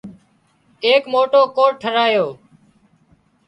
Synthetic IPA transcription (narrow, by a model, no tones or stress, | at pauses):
eːkmoːʈoːkoːʈʰəɾaːjoː